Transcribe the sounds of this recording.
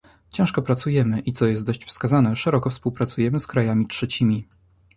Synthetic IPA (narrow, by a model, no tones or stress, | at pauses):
t͡ɕɛ̃w̃ʂkɔpɾat̪sujɛmɘʔit̪sɔjɛst̪d̪ɔɕt͡ɕfskazanɛʂɛɾɔkɔfspuwpɾat̪sujɛmɘskɾajamʲitʂɛt͡ɕimʲi